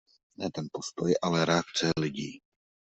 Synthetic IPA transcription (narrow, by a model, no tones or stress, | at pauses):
nɛt̪ɛnpo̞st̪o̞jʔalɛɾɛakt͡sɛlɪɟiː